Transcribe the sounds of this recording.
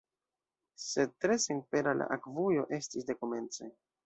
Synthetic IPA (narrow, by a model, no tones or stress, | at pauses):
se̞d̚tɾe̞seŋ̚pe̞ɾala̰ʔakvujo̞ʔe̞stisde̞kome̞nt͡se